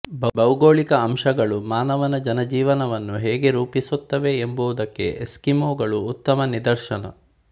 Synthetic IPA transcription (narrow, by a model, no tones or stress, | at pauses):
bɐbɐwɡoːɭikɐːmʃɐɡɐɭumaːnɐʋɐnɐd͡ʒɐnɐd͡ʒiːʋɐnɐʋɐnːuɦɛːɡe̞ɾuːpisut̪ːɐʋe̞ːmbuud̪ɐkːe̞̰ʔeskimoːɡɐɭuːt̪ːɐmɐnid̪ɐɾʃɐnɐ̰